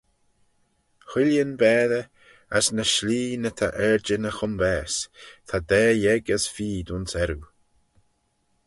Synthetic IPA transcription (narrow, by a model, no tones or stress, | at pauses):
xɪljənbɛːðə | asnəʃliːnət̪ʰa̰ʔɛɹd͡ʒənəxʊmbɛːst̪ʰad̪ɛːjɛɡasfiːd̪unsɛɾu